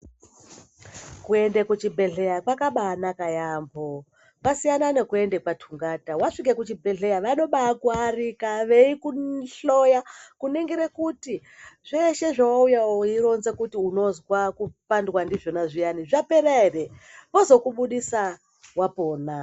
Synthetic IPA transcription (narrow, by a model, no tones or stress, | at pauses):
kue̞ndekut͡ʃibʱe̞ɮe̞jakwakaɓanakajambo | pasijananekue̞nde̞kwatʰuŋɡatawaʂik̬ekut͡ʃibʱe̞ɮejaʋano̞ɓakwuarikaʋe̞ikuɬojakuneŋɡiɾekuti | ʐ̥eʃe̞ʐawaujaoiɾo̞nze̞kutiuno̞zwakupandwandiʐonaʐijaniʐapeɾairepo̞zo̞kuɓuɗisa | wapoːna